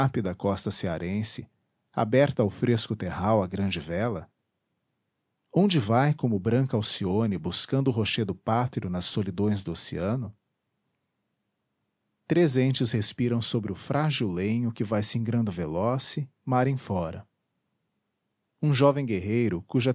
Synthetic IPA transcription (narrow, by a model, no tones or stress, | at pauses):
apɪd̪ɐkɔst̪ɐseaɾʔẽsɪ | a̰bɛɾt̪ɐʊwfɾeskʊt̪eɦawɐɡɾɐ̃d͡ʒɪvɛlɐ | õnd͡ʒɪvajkõmʊbɾɐ̃ŋkɐawsionɪbuskɐ̃nd̪ʊɦoʃed̪ʊpat̪ɾiʊnɐsːolid̪õj̃zd̪ʊoseɐ̃nʊ | t̪ɾezẽnt͡ʃɪshespiɾɐ̃w̃sobɾɪʊfɾʔaʒiwlẽɲʊkɪvajsĩŋɡɾɐ̃nd̪ʊvelɔsɪ | maɾẽj̃fɔɾɐ̰ | ũʒɔvẽj̃ɡeɦejɾʊkuʒɐ